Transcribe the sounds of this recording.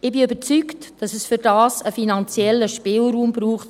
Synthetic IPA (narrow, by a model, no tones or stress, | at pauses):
ɪbiøbət͡syktd̥ɑsɛsfʏɾdɑːsəfinɑnt͡sjɛlːəʃpɪːlruːmbɾuːχt